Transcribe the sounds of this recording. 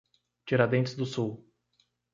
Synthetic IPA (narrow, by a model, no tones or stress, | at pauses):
t͡ʃiɾad̪ẽnt͡ʃɪzd̪ʊsuw